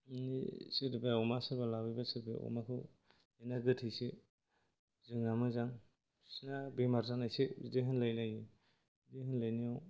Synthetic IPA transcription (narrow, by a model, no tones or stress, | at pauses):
nḭsɯɾbaɔmasɯɾbalawibasɯɾba̰ɔ̰makʰɯw | ajnaɡɯtʰijsi | zɯŋamɯzaŋ | sinabimaɾzaŋnajsidiɦɯnlajnaji | dihɯnlajniaw